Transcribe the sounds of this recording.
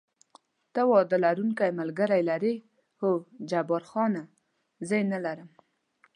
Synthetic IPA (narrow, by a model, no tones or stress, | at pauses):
t̪awɑd̪əlaɾuŋkajmalɡəɾajlaɾe | hod͡ʒabɑɾxɑna | zəjenalaɾəm